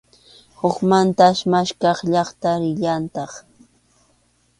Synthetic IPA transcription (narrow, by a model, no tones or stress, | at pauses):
hokmant̪aʃmaʃkɑχʎɑχt̪aɾɪʎant̪ɑχ